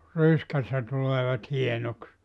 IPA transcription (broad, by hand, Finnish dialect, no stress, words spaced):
ryskæsːæ tuleːʋɑt hienoks